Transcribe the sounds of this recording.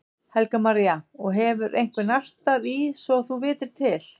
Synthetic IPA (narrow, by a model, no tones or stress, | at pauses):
hɛlkamaɾijaɔɣɦɛvʏɾejŋ̥kvɪnar̥t̪aðisvɔɣθuvɪːt̪ɪɾ̥t̪ʰɪl